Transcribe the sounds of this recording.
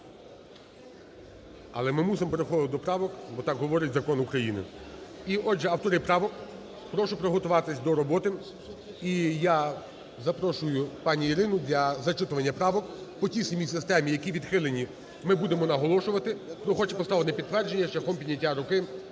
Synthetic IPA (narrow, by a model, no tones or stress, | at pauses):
ɐ̰lˠɛmɪmusɪmɔpeɾexɔɪtd̪ɔpɾɑʋɔkbɔt̪ɑkɦɔʋɔɾɪtʲzɐkɔnʊkɾɐjinɪ̰iɔd͡ʒɛɐwt̪ɔɾɪjpɾɑʋɔk | pɾɔʃʊpɾɔɦɔt̪ʊʋɑt̪ɪsʲd̪ɔɾɔbɔt̪ɪ | ija | zɐpɾɔʃʊjʊpɑnʲiiɾɪnʊd̪ʲlʲɐzɐt͡ʃɪt̪ʊʋɐnʲːɐpɾɑʋɔkpɔtʲisɐmʲijsɪst̪ɛmʲijɐkʲiʋʲid̪xɪlˠenʲi | mɪbud̪emɔnɐɦɔlˠɔʃʊʋɐt̪ɪpɾɔxɔt͡ʃɛpɔst̪ɑʋenɛpʲid̪t̪ʋɛrd͡ʒenʲːɐʃt͡ʃɛxɔmpʲid̪ʲnʲɐtʲːaɾʊkɪ